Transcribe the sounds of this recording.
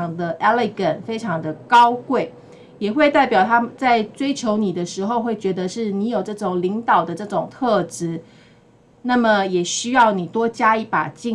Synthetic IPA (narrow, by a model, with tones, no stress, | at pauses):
ŋd̪ə˧ʔɛ˥li˧ɡə˨˩nfe˥ɪʈ͡ʂʰɑ˧˥ŋd̪ə˨kɑ˥ʊkwe˥˩ɪ | jɛ˨˩xwe˥˧ɪt̪a˥˩ɪpjɑ˨˩ʊt̪ʰa˥m˨t͡sa˥˩ɪʈ͡ʂwe˥ɪt͡ɕʰjo˧˥ʊni˨˩d̪ə˦ʂɻ̩˧˥xo˧ʊxwe˥˩ɪt͡ɕɥɛ˧˥d̪ə˧ʂɻ̩˥˩ni˧˥jo˨˩ʊʈ͡ʂɤ˥˩ʈ͡ʂʊ˨˩ŋli˧˥ŋt̪ɑ˨˩ʊd̪ə˦ʈ͡ʂɤ˥˩ʈ͡ʂʊ˨˩ŋt̪ʰɤ˥˧ʈ͡ʂɻ̩˧˥ | na˥˩mə˨jɛ˨˩ɕy˥jɑ˥˩ʊni˨˩t̪wɔ˥t͡ɕja˥i˥˩pa̰˨˩t͡ɕi˥˧